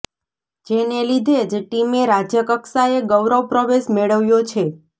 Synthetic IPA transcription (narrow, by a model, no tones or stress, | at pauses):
d͡ʒenelid̪ʱed͡ʒʈimeɾad͡ʒjəkəksaeɡəʋɾəʋpɾəʋesmeɭəʋjot͡ʃʰe